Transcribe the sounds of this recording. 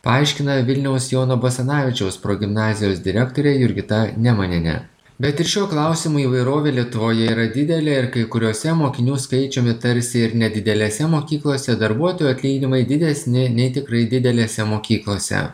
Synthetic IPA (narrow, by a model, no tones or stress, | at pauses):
pɐɐˑɪʃʲkʲɪnɐʋʲɪlʲnʲɛʊsjoːnobosʲɐnɑːʋʲɪt͡ʃʲɛʊspɾoːɡʲɪmnɑːzʲɪjoːsd̪ʲɪɾʲɛkt̪oːɾʲeːjʊɾʲɡʲɪt̪ɐnʲɛmɐnʲɛnʲɛ̰ | bʲɛt̪ɪʃʃʲuɔklˠɑˑʊsʲɪmuːiːʋɐɪɾoːʋʲeːlʲiɛt̪ʊʋoːjɛiːɾɐd̪ʲɪd̪ʲɛlʲeːɪɾkɐɪkʊɾʲoːsʲɛmoːkʲɪnʲuːskɐɪt͡ʃʲoːmʲɪt̪ɐɾʲsʲɪɪɾnʲɛd̪ʲɪd̪ʲɛlʲeːsʲɛmoːkʲiːklˠoːsʲɛd̪ɐɾbuɔt̪oːjuɐt̪ʲlʲiːɡʲnʲɪmɐɪd̪ʲɪd̪ʲɛsʲnʲɪnʲɛɪt̪ʲɪkɾɐɪd̪ʲɪd̪ʲɛlʲeːsʲɛmoːkʲiːklˠoːsʲɛ̰